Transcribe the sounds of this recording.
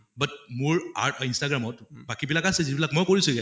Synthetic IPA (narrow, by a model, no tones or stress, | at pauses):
bət̚muɹa̰ɹʈʰinsʈaɡɾamɔtbakibilakasezibilakmɔjkɔɹisukɛ